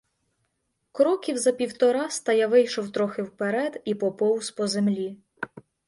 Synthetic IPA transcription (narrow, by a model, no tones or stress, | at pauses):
kɾɔkʲiwzɐpʲiwt̪ɔɾɑst̪ɐjaʋɪjʃɔwt̪ɾɔxɪwpeɾɛd̪ipɔpɔwspɔzemlʲi